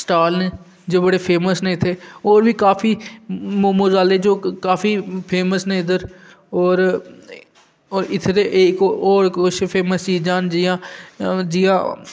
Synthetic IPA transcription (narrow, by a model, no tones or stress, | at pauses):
sʈaːlneː | d͡ʒoːbəɽeːpʰeːməsneːɪt̪ʰeːoːɾʋiːkaːfʰiːmmʊzaːleːd͡ʒoːkaːfiːpʰeːməsnẽːɪd̪əɾ | ɔːɾ | ɪt̪ʰɾeːʔːkɔːɾʊʃpʰeːməst͡ʃiːd͡ʒãːnd͡ʒɪːãːd͡ʒɪjãː